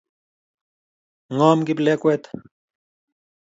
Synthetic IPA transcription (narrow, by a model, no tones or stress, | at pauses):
ŋoːmkiplekwet̪